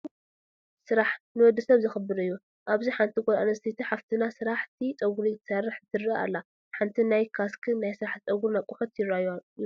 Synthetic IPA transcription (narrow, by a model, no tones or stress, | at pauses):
sɨɾaħnɨwɔd̪ːɨsɐβzɨxɨbɨɾɨjːu | ʔaβziħant̪ʰiɡʼɔɾa̰nɐst̪ʰit̪ʰiħaft̪ʰɨnasɨɾaħt̪ʰit͡sʼɐɡuɾijt̪ʰɐ̥sɐrːɨħzɨt̪ʰɨɾːia̰lːa | ħant̪ʰinajkʰaskʰɨnajsɨɾaħt̪t͡sʼɐɡuɾnakʼuxɐt̪jɪɾaj